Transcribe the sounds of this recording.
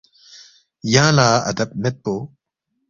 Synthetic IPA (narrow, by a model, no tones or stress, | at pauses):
jãːlaːɐ̰d̪ɐp̚nɐt̪̚poː